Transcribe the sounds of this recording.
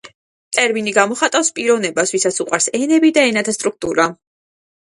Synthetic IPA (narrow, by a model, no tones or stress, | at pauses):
t̪ʼɛɾminiɡamɔχat̪ʼafspʼiɾɔvnɛbasvisat̪suqʼwaɾsɛnɛbid̪aɛnat̪ʰast̪ʼɾuk̚t̪ʼuɾa